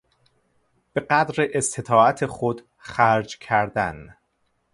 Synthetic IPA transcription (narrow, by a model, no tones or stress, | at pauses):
b̥e̞ɢæd̪ɾeʔest̪ʰet̪ʰɒːæt̪ʰexod̪ | xæɾd͡ʒcʰæɾd̪æn